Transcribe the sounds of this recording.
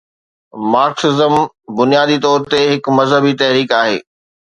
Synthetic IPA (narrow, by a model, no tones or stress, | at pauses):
maːɾksɪzəm | bʊnijaːd̪it̪ɔːɾt̪eɦɪkmɐzɦəbit̪ɐɦɾiːkaːɦḛː